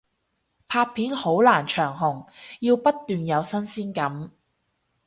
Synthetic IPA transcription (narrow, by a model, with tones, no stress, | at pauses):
pʰaː˧t̚pʰiː˨˥nho˨˥wlaː˨˩nt͡ʃʰœː˨˩ŋɦʊ˨˩ŋjiː˧wpɐ˥t̚t̪ːyː˨njɐ˨˧wsɐ˥nsiː˥nkɐ˨˥m